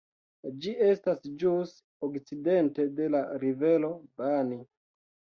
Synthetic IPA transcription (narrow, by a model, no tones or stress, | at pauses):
d͡ʒie̞stasd͡ʒus | okt͡side̞nte̞de̞laɾive̞lo̞bani